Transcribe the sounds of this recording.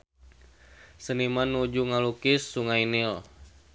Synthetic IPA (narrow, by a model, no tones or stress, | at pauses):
sənimanːud͡ʒuŋalukɪsːuŋainil